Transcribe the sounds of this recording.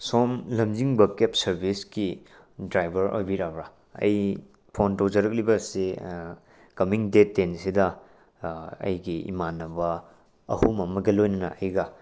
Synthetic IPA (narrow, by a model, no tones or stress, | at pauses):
somlɐmd͡ʒiŋbɐkep̚sɐɾbʱiski | dɾajbʱɐɾʔo̰jbiɾabɾa | ɐ̰j | pʰontowd͡ʒɐɾɐk̚libɐse | kɐmiŋdetːensidɐ | ɐ̰jɡiḭmanɐbɐ | ɐhumɐmɐɡɐlojnɐnɐ̰ʔɐjɡɐ